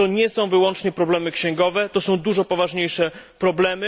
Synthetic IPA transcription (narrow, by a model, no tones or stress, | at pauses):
t̪ɔɲɛsɔ̃w̃vɘwɔnt͡ʂɲɛpɾɔblɛmɘkɕɛ̃ŋɡɔvɛt̪ɔsɔ̃w̃d̪uʐɔpɔvaʐɲejʂɛpɾɔblɛmɘ